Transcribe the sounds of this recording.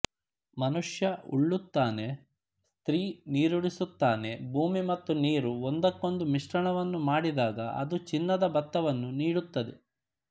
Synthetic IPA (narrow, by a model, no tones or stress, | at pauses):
mɐnuʂjɐṵɭːut̪ːaːne̞ | st̪ɾiːniːɾuɽisut̪ːaːne̞bʱuːmimɐt̪ːuniːɾuond̪ɐkːo̞nd̪umiʂʈɐɳɐʋɐnːumaːɽid̪aːɡɐɐ̰d̪ut͡ʃinːɐd̪ɐbɐt̪ːɐʋɐnːuniːɽut̪ːɐd̪e